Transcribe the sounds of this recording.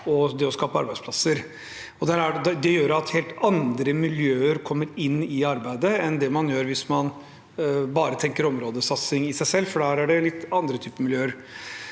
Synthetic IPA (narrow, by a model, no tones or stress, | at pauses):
ɔd̪ɛɔskɑːpəɑ̰ɾbæɪspʰlɑsəɾ | ɔd̪æɾæd̪ɛd̪ɛjøːɾɑt̪heːlt̪ɑnd̪ɾəmɪljøːəɾkʰɔmːəɾɪnːɪɑɾbæɪd̪əɛnd̪ɛmɑnjøːɾʋɪsmɑn | bɑːɾət̪ʰɛŋkəɾɔmɾoːd̪əsɑt̪sɪŋɪsæɪsɛlːfɔɖɑɾæɖɛlɪt̪ːɑnd̪ɾət̪ʰyːpəmɪljøːəɾ